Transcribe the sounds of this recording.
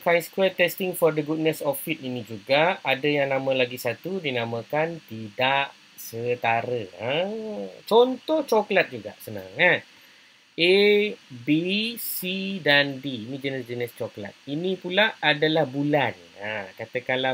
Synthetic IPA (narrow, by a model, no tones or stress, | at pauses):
kajnskɾɛt̪ɛst̪ɪŋfɔrdəɡud̚nəsɔfit̪̚inĩd͡ʒuɡaʔadajaŋnãmə̃laɡisat̪udinamə̃kant̪idaʔ | sət̪aɾəə | t͡ʃɔnt̪ɔht͡ʃɔklat̪̚d͡ʒuɡa̰ʔsəna̰ŋat̪̚ | e | bisidandiːnĩd͡ʒənəsd͡ʒənist͡ʃɔkla̰t̪̚inĩpulaʔːdalahbulan | akat̪əkala